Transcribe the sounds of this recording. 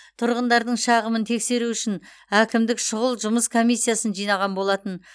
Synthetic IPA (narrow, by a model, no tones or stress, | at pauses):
t̪ʰʊɾʁənd̪ɑɾd̪əɴʃɑʁəmənt̪ʰe̞kse̞ɾuʏʃɪn | ækʲɪmd̪ɪkʃʊʁəlˠʒʊməskʰo̞mijsːijasənʒijnɑʁɑnbo̞lˠɑt̪ən